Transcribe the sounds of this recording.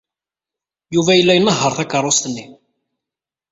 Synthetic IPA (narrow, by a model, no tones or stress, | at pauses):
juvæjəlːæjənːəɦːəɾˤθækərˤːost̪ənːi